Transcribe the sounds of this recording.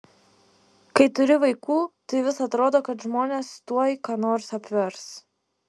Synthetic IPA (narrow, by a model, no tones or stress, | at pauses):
kɐɪt̪ʊɾʲɪʋɐɪkuːt̪ɐɪʋʲɪsɐt̪ɾoːd̪oːkɐt̪ʒmoːnʲeːst̪uɔjkɑːnoːɾsɐpʲʋʲɛɾs